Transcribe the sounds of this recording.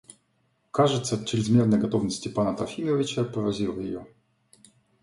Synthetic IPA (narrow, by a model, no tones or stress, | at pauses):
kaʐɨt̪sət̪t͡ɕɪɾʲɪzmʲernəjɡɐt̪ovnəsʲtʲɪpanət̪ɾɐfʲimʲəvʲɪt͡ɕəpəɾɐzʲilˠəjɪ̰jo